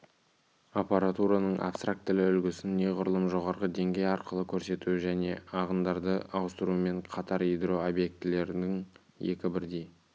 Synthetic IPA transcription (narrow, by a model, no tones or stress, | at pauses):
apaɾat̪uɾanəɴʔa̰pst̪ɾak̚t̪ːɪlɪʏlɡʲɪsɪnːe̞ʁʊɾlˠəmʒo̞ʁɑɾʁəd̪e̞ŋɡʲe̞jɑɾqəlˠəkʲʰɵɾse̞t̪uwɪʒæne̞ɑʁənd̪ɑɾd̪əɑwəst̪əɾuəme̞ɴqʰɑt̪ɑɾijd̪ro̞obje̞k̚t̪ɪle̞ɾɪnɪŋ | je̞̰kʲɪbɪɾd̪e̞j